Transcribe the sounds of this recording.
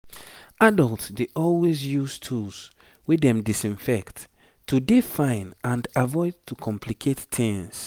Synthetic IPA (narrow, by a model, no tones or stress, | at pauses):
adɔltsdeʔɔlwezjustʰuls | wedɛ̃mdisĩnfɛkt | tʰːudefãɪ̃nãndavɔɪd̚tʰukʰɔ̃mpʰlikʰettʰĩŋs